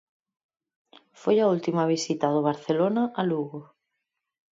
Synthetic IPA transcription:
fojault̪imaβ̞isit̪ɐðʊβ̞aɾθelonaʔaluɣʊ

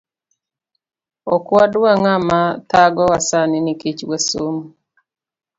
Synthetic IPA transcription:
ɔkwadwwaŋamat̪aɡɔwasanɪnikit͡ʃwɛsom

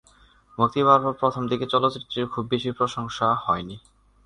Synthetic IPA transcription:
mukt̪iβaɾbopɾot̪ʰomd̪iket͡ɕɔlot̪ːɾit̪ːɾiɾkʰubːeʃipɾoʃoŋʃahɔeni

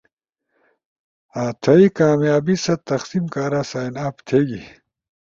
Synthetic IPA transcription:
aːt̪ʰɐikaːmjaːbisɐt̪ɐxsimkaːɾaːsaːinaːpt̪ʰeːɡi

